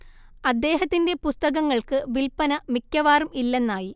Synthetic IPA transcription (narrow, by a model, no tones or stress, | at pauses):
ɐd̪ːe̞ːɦɐt̪ːinde̞pust̪ɐɣɐŋːɐɭkɨʋilpɐnɐmikʲːɐʋaːrumilːenːaːji